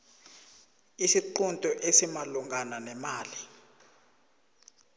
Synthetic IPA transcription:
isiǃuntʼɔʔesimaluŋɡʱananɛmaːli

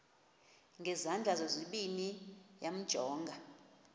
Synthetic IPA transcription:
ŋɡʱɛzand͡ɮʱazozʷiɓinijam̩d̥ʒ̥ʱɔːŋɡʱa

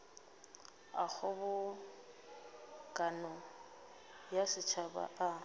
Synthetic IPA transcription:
a̰k͡xʰɔbʊ | kʼanɔ | jasɪt͡ʃʰaba̰ʔa

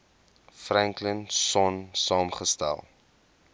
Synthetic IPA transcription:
frɛŋklənsɔnsɑːmχəstæ̰lˠ

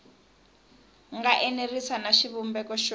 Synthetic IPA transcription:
ŋɡaʔɛnerisanaʃiβumbɛkɔʃ

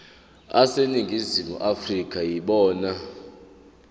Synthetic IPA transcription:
aseniŋɡʱizimṵʔafrikʰʼajiɓɔːna

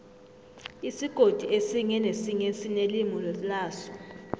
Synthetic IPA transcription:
isiɡ̥ʱod̥ʱiesiŋɛnesiŋesinelimɔllaːsɔ̥

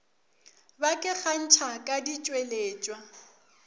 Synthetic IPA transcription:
bakʼɪɣan̩t͡ʃʰakʼadit͡ʃʼweleːt͡ʃʼwa

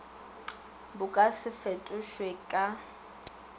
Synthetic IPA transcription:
bʊkʼasɪfetʼʊʃwekʼa

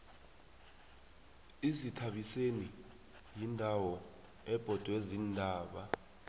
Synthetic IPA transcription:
izitʰaɓiseni | jindʱawɔ | ɛb̥ʱɔd̥ʼʱwezindʱaːɓa

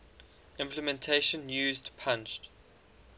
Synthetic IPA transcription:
ɪ̃mpləmɛ̃ntʰeɪʃə̃njuːzdpʰãnt͡ʃt

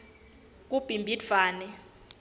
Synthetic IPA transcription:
k̬ub̥ʱimbʱidv̥aːnɛ

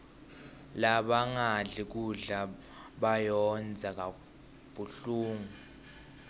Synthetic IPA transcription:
laɓaŋaɮik̬uɮa | ɓajɔnd͡zʱak̬ʼa | b̥ʱuɬuːŋu

